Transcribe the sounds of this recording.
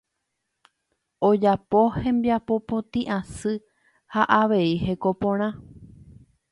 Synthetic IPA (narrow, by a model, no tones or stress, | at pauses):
od͡ʒapohẽ̞mbjapo̞põt̪ĩʔãsɨ | haʔaʋe̞ihe̞ko̞põɾ̃ã